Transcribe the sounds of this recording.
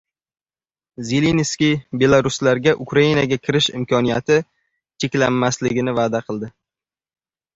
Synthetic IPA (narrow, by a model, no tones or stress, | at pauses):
zelenskʲijbe̞lˠaɾʊslaɾɡʲaʔʊkɾainaɡʲakʲʰɪɾɪʃɪ̰mkʰʲɒnijat̪ʰɪ | t͡ʃʰekʲlamːaslɪɡʲɪnɪvaːd̪aqʰɨlˠd̪ɪ